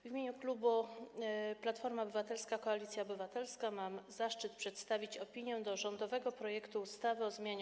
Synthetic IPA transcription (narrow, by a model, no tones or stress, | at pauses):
vʲimʲeɲuklubu | plat̪fɔɾmaɔbɘvat̪ɛlskakɔalʲit̪sʲjaɔbɘvat̪ɛlskamamzaʂt͡ʂɘt̪pʂɛt̪st̪avʲit͡ɕɔpʲiɲjɛd̪ɔʐɔnd̪ɔvɛɡɔpɾɔjɛkt̪uːst̪avɘɔzmʲjaɲ